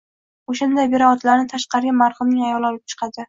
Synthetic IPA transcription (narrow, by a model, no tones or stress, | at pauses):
oʃand̪ajbe̞ɾaɒt̪ʰlaɾnɪt̪ʰaʃqɑɾɪamaɾχɨmnɪŋajɒlˠɒlˠɪp̚t͡ʃʰɨ̥qʰɑd̪ɪ